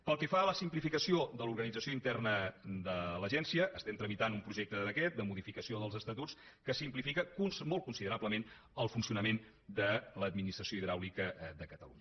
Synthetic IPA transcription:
pəlˠkɛfaləsimplifikəsiod̪əluɾɣənid͡zəsijoint̪ɛrnəd̪ələʒɛnsiəʔːst̪ɛmt̪ɾəmit̪anumpɾuʒek̚t̪əðəkɛt̪̚d̪əmuðifikəsioðəlˠzəst̪ət̪ut͡sskəsimplifikəkunsmolˠkunsiðəɾabləmen | əlˠfunsiunəmen | d̪ələd̪minist̪ɾəsjoiðɾawlikəd̪əkət̪əluɲə

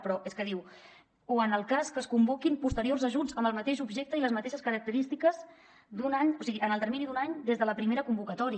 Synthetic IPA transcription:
pɾɔeskəðiw | oənəlˠkaskəskumbukimpust̪əɾiorzəʒud͡zəmbəlˠmət̪eʃubʒɛk̚t̪əiləzmət̪eʃəskəɾək̚t̪əɾist̪ikəz | d̪unaɲosiɣiʔənəlˠt̪əɾminid̪unaɲd̪ezðələpɾimeɾəkumbukət̪ɔɾi

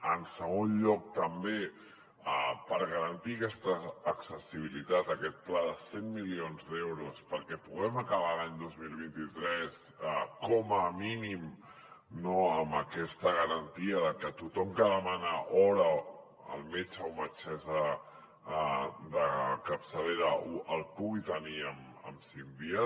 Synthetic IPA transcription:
ənsəɣ̞onʎɔk̚t̪əmbe | apəɾɣəɾənt̪ikɛst̪əːksəsiβ̞ilit̪at̪əkɛt̪̚plaðəsemːilionzðɛwɾuspəɾkɛpuɣɛməkəβ̞alaɲd̪ozmilˠβ̞int̪it̪ɾɛs | əkɔməminim | noəməkɛst̪əɣ̞əɾənt̪iəðəkət̪ut̪ɔmkəðəmanəʔɔɾə | ə̰lˠmet͡ʃəomət͡ʃɛzə | d̪əkəpsəleɾəoʔəlˠpuɣit̪əniəm | ə̰msimbiə

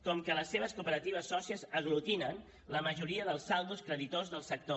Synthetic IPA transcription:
kɔmkələsːeβ̞əskupəɾət̪iβ̞əsːɔsiəzəɣ̞lut̪inən | ləməʒuɾiəðəlˠsalˠd̪uskɾəðit̪ozðəlˠsək̚t̪o

